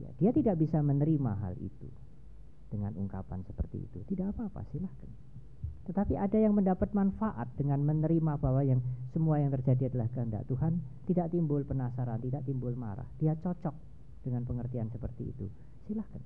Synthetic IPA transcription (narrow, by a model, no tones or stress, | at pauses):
ja̰d̥iat̪idaʔbisamənəɾima̰ɦa̰lḭt̪ṵ | d̥əŋa̰nṵŋka̰pa̰nsə̥pərt̪ḭḭt̪ut̪idaʔapaːpa̰silahkan | t̪ət̪apiʔadajaŋməndapat̪̚manfaʔa̰t̪̚d̥əŋanmənəɾimab̥awajaŋsəmuajaŋt̪ərd͡ʒadiadalahkəɦənd̪a̰ʔt̪uɦan | t̪idaʔt̪imbʊlpənasaɾant̪idaʔt̪imbʊlma̰ɾa̰hd̥iat͡ʃɔt͡ʃɔk̚ | d̥əŋanpəŋərt̪iansəpərt̪iḭt̪u | silahkan